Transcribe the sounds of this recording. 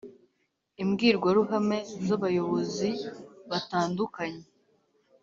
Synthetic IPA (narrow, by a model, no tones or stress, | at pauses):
imɡiːɾɡwaɾuɦame̞zaβajo̞βo̞ziβataːndukaɲe